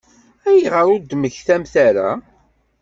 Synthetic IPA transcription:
æjiʁəɾʊɾd̪məçθæmθaɾa̰

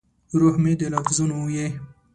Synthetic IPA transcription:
ɾohmed̪elafzunoje

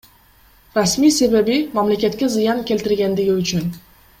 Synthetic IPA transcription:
ɾasmijsebabimamlakʲat̪kʲazɪjankʲe̞lt̪ɪɾɡʲand̪ɪɡʲɪʊt͡ʃʰʊn

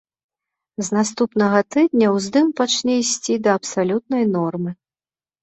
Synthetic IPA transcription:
znast̪upn̪ɐɣɐt̪ɨd̪̚nʲɐwzd̪ɨmpat͡ʂnʲɛisʲt͡sʲid̪ɐːpsalʲut̪̚nɐjnɔrmɨ

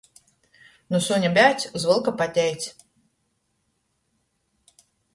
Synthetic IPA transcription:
nusunʲabʲæt̪sʲzvɨlˠkapat̪ʲɛjt̪sʲ

